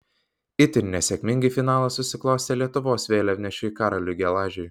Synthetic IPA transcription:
ɪt̪ʲɪɾʲnʲɛsʲɛkʲmʲɪŋʲɡʲɪfʲɪnɑːlˠɐsʊsʲɪklˠɒʊsʲelʲiɛt̪ʊʋoːsʋʲeːlʲɛʋʲnʲɛʃʲʊkɑːɾɐlʲʊɡʲɛlˠɑːʒʲʊj

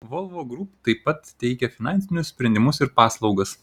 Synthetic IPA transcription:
ʋolˠʋoːɡɾupt̪ɐɪpɐt̪t̪ʲɛɪkʲɛfʲɪnɑnʲsʲɪnʲʊssʲpʲɾʲɛnʲd̪ʲɪmʊsɪɾpɑːslˠɒʊɡɐs

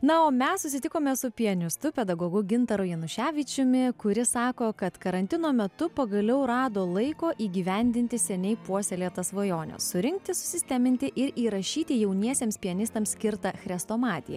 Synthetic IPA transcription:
nɐoːmʲɛssʊsʲɪt̪ʲɪkoːmʲeːsʊpʲɪɐnʲɪst̪ʊpʲɛd̪ɐɡoːɡʊɡʲɪnt̪ɐɾʊjɛnʊʃʲæːʋʲɪt͡ʃʲʊmʲɪkʊɾʲɪsɑːkoːkɐt̪kɐɾɐnʲt̪ʲɪnoːmʲɛt̪ʊpɐɡɐlʲɛʊɾɑːd̪oːlˠɐɪkoːʔiːɡʲiːʋʲɛnʲd̪ʲɪnʲt̪ʲɪsʲɛnʲɛɪpuɔsʲɛlʲiːt̪ɐsʋojoːnʲɛ̰ssʊɾʲɪŋk̚t̪ʲɪsʊ̥sʲɪsʲt̪ʲæmʲɪnʲt̪ʲɪʔɪɾiːɾɐʃʲiːt̪ʲɪjɛʊnʲiɛsʲeːmspʲɪɐnʲɪst̪ɐmssʲkʲɪɾt̪ɐxɾʲɛst̪oːmɑːt̪ʲɪjɛ̰

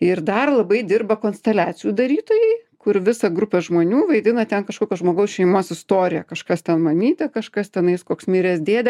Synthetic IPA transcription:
ɪrd̪ɐrlˠɐbɐɪd̪ʲɪrbɐkoːnsʲt̪ʲɛlʲæːt͡sʲɪjuːd̪ɐɾʲiːt̪oːjɛɪkʊrʋʲɪsɐɡɾʊpʲɛʒmoːnʲuːʋɐɪd̪ʲɪnɐt̪ʲɛnkɐʃkoːkʲɛʒmoːɡɐʊsʃʲɛɪmoːsɪst̪oːɾʲɪjɛkɐʃkɐst̪ʲɛnmɐmʲiːt̪ʲɛkɐʃkɐst̪ʲɛnɐɪskoːksmʲiːɾʲɛːsd̪ʲeːd̪ʲɛ

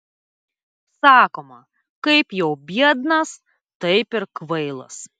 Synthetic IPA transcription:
sɑːkoːmɐ | kɐɪpjɛʊbʲiɛd̪nɐs | t̪ɐɪpɪɾkʋɐɪlˠɐ̰s

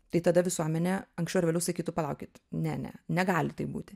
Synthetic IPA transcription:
t̪ɐɪt̪ɐd̪ɐʋʲɪsuɔmʲɛnʲɛɐŋksʲt͡ʃɛʊɾʋʲelɛʊsɐɪkʲiːt̪ʊpɐlˠɐʊkʲɪt̪nʲɛ̰nʲɛ̰nʲɛɡɑːlʲɪt̪ɐɪpbuːt̪ʲɪ

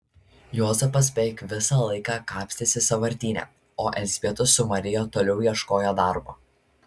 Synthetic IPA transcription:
jɔzʲɛpɐs̬bʲɛɪkʋʲɪsɑːlˠɐɪkɑːkɑːpʲsʲt̪ʲɪsʲɪsɐʋɐɾʲt̪ʲiːnʲɛ̰ː | oːʔɛzʲbʲiɛt̪ʊsːʊmɐɾʲɪjoːt̪oːlʲɛʊjiɛʃkoːjod̪ɑˑɾboː

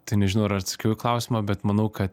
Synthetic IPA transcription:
t̪ɐɪnʲɛʒʲɪnɐʊɾɐɾt̪sɐ̥kʲɛʊjklˠɑˑʊsʲɪmɐbʲɛt̪mɐnɐʊkɐt̪

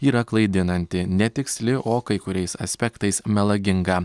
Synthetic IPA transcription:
iːɾɐklˠɐɪd̪ʲɪnɐnʲt̪ʲɪnʲɛt̪ʲɪksʲlʲɪʔoːkɐɪkʊɾʲɛɪsɐ̰sʲpʲɛkt̪ɐɪsmʲɛlˠɐɡʲɪŋɡɑ

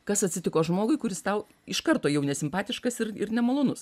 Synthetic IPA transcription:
kɐsɐt̪ʲsʲɪt̪ʲɪkoːʒmoːɡʊɪkʊɾʲɪst̪ɐʊ | ɪʃkɐrt̪oːjɛʊnʲɛsʲɪmpɑːt̪ʲɪʃkɐsɪɾɪ̰rnʲɛmɐlˠoːnʊs

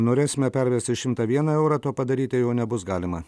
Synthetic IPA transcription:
noːɾʲeːsʲɪmʲɛpʲɛɾʲʋʲɛsʲt̪ʲɪʃʲɪmt̪ɑːʋʲiɛnɐɛʊɾɑt̪oːpɐd̪ɐɾʲiːt̪ʲɪjoːnʲɛbʊsɡɑːlʲɪmɐ

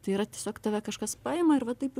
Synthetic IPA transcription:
t̪ɐɪiːɾɐt̪ʲiɛsʲoːkt̪ɐʋʲɛkɐʃkɐspɑːɪmɐɪɾʋɐt̪ɐɪpɪ

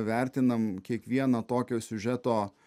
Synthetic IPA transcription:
ʋʲæɾʲt̪ʲɪnɐmkʲiɛkʋʲiɛnɐt̪oːkʲoːsʲʊʒʲɛt̪oː

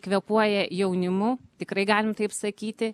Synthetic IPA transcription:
kʋʲɛpuɔjɛjɛʊnʲɪmʊt̪ʲɪkrɐɪɡɑːlʲɪmt̪ɐɪpsɐkʲiːt̪ʲɪ

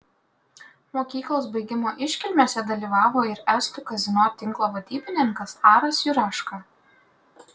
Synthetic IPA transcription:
moːkʲiːklˠoːsbɐɪɡʲɪmoːʔɪʃʲkʲɪlʲmʲoːsʲɛd̪ɐlʲiːʋɑːʋoːɪɾɛsʲt̪ʲʊkɐzʲɪnoːt̪ʲɪŋklˠoːʋɐd̪ʲiːbʲɪnʲɪŋkɐsɑːɾɐsjʊɾɑːʃkɑ

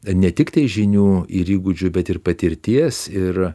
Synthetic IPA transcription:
nʲɛt̪ʲɪkt̪ɐɪʒʲɪnʲuːiɾiːɡʊd͡ʒʲʊbʲɛt̪ɪrpɐt̪ʲɪɾʲt̪ʲiɛsɪr

